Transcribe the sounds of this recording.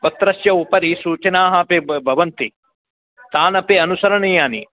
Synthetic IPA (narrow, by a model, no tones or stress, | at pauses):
pɐt̪ːɾɐʃjɐupɐɾisuːt͡ʃɐnaːɦɐpebbʱɐʋɐnt̪i | t̪aːnɐpeɐnusɐɾɐɳijaːni